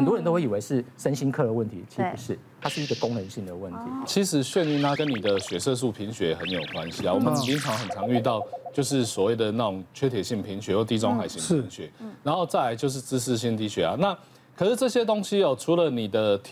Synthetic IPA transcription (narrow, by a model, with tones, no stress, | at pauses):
ə˨nt̪wɔ˥ɻə˧˦nt̪o˥e˥˩i˨˩we˧˥ɪʂɻ̩˥˩ʂə˦nɕi˥nkʰɤ˥˨d̪ə˩wə˥˩nt̪ʰḭ˨˧˥t͡ɕʰi˧˥pu˨˩ʂɻ̩˥˩ | t̪ʰa˥ʂɻ̩˥˩i˦˥ɡə˨ko˥ŋnə˨˧˦nɕi˥˩ŋd̪ə˩wə˥˩nt̪ʰi˨˦t͡ɕʰi˧˥ʂɻ̩˨˩ɕɥɛ˥˧ny˥˩nt̪ʰa˥kə˦ni˨˩d̪ə˦ɕɥɛ˨˩sɤ˥˧ʂ̬u˥˩pʰi˧˥ŋɕɥɛ˧˦xə˧˦njo˨˩ʊkwa˦nɕi˧˥a˨wɔ˨˩mə̃˨nt͡s̩˥˧t͡ɕĩ˥nʈ͡ʂʰɑ˧˥ŋxə˨˩nt͡sʰɑ˧˥ŋy˥˧t̪ɑ˥˨ʊt͡ɕjo˥˧ʊʂ̬ɻ̩˥˩swɔ˨˩we˥˩ɪd̪ə˩na˥˩ʈ͡ʂʊ˨˩ŋt͡ɕʰɥɛ˥t̪ʰjɛ˨˩ɕi˥˩ŋpʰi˧˥ŋɕɥɛ˧˦jɔ˥˩t̪i˥˧t͡sɔ˥ŋxa˨˩ɪɕi˨˦i˧˥ŋɕɥɛ̰˨˦na˨˦nxo˥˧ʊt͡sa˥˩ɪla˧˥ɪt͡ɕjo˥˧ʊʂ̬ɻ̩˥˧t͡sɹ̩˥˧ʂ̬ɻ̩˥˧ɕ̬i˥nt̪i˧˥ɕɥɛ˨˥a̰˨na˥˨ | kʰə˨˩ʂ̩˥˧ʈ͡ʂɤ˥˩ɕjɛ˦˥t̪o˥ŋɕi˦ɔ˨ʈ͡ʂʰu˧˥lə˨ni˨˩d̪ə˦t̪ʰ